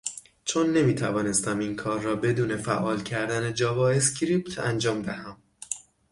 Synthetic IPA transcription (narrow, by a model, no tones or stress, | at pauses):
t͡ʃʰonːe̞miːt̪ʰævɒːne̞st̪æmiːnkʰɒːɾːɒːbe̞d̪uːne̞fæʔɒːlcʰæɾd̪æned͡ʒɒːvɒːescɾiːp̚t̪ʰænd͡ʒɒːmd̪æhæm